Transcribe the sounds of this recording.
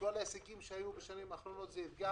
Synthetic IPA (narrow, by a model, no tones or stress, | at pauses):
olaesekimʃeajubeʃanimaχlonot̪zeit̪ɡa